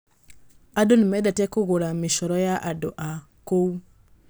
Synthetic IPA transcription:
adonimɛdɛtɛkoɣoɾameʃɔɾɔjaʔadɔ̰ʔa | kou

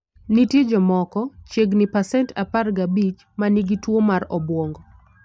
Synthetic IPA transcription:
nitid͡ʒɔmɔkɔt͡ʃeɡnɪpasɛntaparɡabit͡ʃ | maniɡitwomaɾɔbwoŋɡɔ

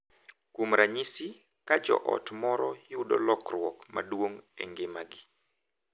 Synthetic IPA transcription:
kumɾaɲisi | kad͡ʒɔ̰ʔɔ̰tmɔɾɔjʊdɔlɔkrwɔkma̰dwoŋḛŋɡemaɡɪ

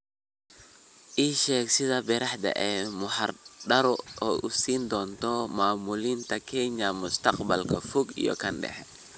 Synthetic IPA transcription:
ʔiːʃɛːɡsɪðɐbɪɾɑħd̪ɐ̰ʔɛːmʊħɐrɖɐɾɔɔːʔʊsiːnd̪ɔːnt̪ʰɔmaːmuliːnt̪ʰɐkʰɛɲɐmʊst̪ɐqbɐlkʰɐfʊɡḭjɔ̰kʰɐnɖɛ̰ħɛ

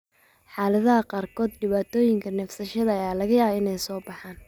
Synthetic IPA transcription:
ħaːlɐðɐɦɐqɑːrkʰɔːd̪ɖɪβaːt̪ʰɔːjɪŋkʰɐnɛfsɐʃɐðɐɐjaːlɐɣɐjaːɪnɛjsɔːbɑħaːn

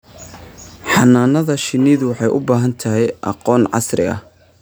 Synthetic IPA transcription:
ħɑnaːnɐðɐʃɪnːiːðʊwɑħɑjʔʊbaːɦɐnt̪ʰɐɦɛjʔɑ̰qɔːnʕɑ̰srɪ̰ɐ̰h

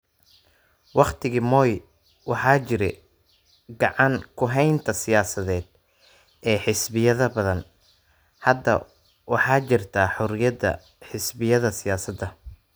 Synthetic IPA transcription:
wɑχt̪ʰɪɣiːmɔːj | wɑħɑːt͡ʃɪɾɛ̰ | ɡɑʕɑŋkʰʊɦɛjnt̪ʰɐsɪjaːsɐðɛːd̪̥̚ | ʔɛːħɪsbɪjɐðɐbɐðɐn | hɐd̪ɐ̰ | wɑħɑːt͡ʃɪrt̪ʰaːħʊɾɪjɐd̪ɐ̰ | ħɪsbɪjɐðɐsɪjaːsɐd̪ːɐ

